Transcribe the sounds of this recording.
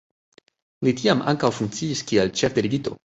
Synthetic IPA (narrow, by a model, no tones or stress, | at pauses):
litiama̰ŋkawfuŋkt͡siːskielt͡ʃefdeɾiɡito̞̰